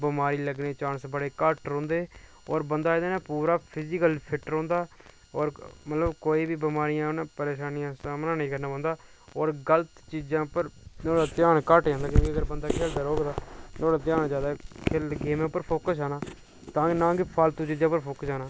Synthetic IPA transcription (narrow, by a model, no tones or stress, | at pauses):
bɪmaːɾiːləɡneːt͡ʃaːnsbəɽeːkəʈɾõːnd̪eː | ɔːɾbənd̪aːɪd̪aːneːpuːɾaːpʰɪzɪkəlpʰɪʈəɾõːnd̪aː | ɔːɾmət̪ləbkoːiːbiːbəmaːɾɪjãːnãːpəɾeːʃaːnɪjãːsaːmnãːnəĩːkəɾnaːbənd̪aː | ɔːɾɡələt̪t͡ʃiːd͡ʒãːpəɾnoːɽaːt̪ɪjaːnkəʈd͡ʒãːd̪aːkjõːkiəɡəɾbənd̪aːkʰeːld̪aːɾoːɡd̪aːnõːɽaːt̪jãːnd͡ʒaːd̪aːkʰɪlɡeːmãːpːəɾpʰoːkəsaːnaː | t̪ãːknãːkɪpʰaːlt̪ũːt͡ʃiːd͡ʒãːpəɾpʰoːkəsaːnaː